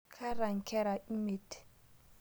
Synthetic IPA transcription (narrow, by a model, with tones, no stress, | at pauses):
kʰa˦ɾa˨ŋ̩˨kʰɛ˦ɾa˨i˦me˨t